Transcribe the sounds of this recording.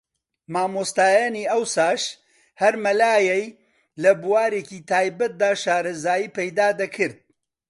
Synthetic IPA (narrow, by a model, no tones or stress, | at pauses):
maːmoːst̪aːjaniːɐwsaːʃ | hɐɾmɐlaːjɛj | lɐbuwaːɾeːciːt̪ʰaːjbɐt̪̚d̪aːʃaːɾɐzaːjiːpɐjd̪aːd̪ɐkʰɨɾd̪̚